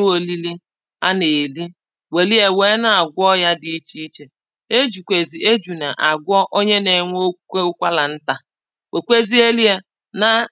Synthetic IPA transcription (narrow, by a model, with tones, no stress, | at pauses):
u˦o˨li˦li˦ | a˦ne˨li˦ | we˨li˦e˨weː˦na˨a˨ɡʷɔ˦ja˦dɪ˨i˦t͡ʃi˦i˦t͡ʃe˨ | e˦d͡ʒu˨kʷe˨zi˨ʔe˦d͡ʒu˨na˨ʔa˨ɡʷɔ˦ʔo˦ɲe˦ne˨ŋʷo˦e˦ʊ˦kʷa˦la˨n̩˦ta˨ | we˨kʷe˦zi˦e˦li˦e˦ | na˦